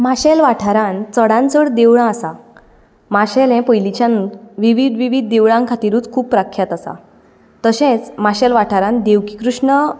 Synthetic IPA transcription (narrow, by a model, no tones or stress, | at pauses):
maɕɛlʋaʈʰaɾãnt͡səɽãnt͡səɽd̪eʋɭãːsa | maɕɛlɛ̃pəjlit͡ɕanũʋiʋid̪ʋiʋid̪̚ːeʋɭãŋkʰat̪iːɾuːt͡skʰuːpːɾakʰːjat̪asa̰ | t̪əɕẽt͡smaɕɛlʋaʈʰaɾãnd̪eʋki̥kɾuʂɳə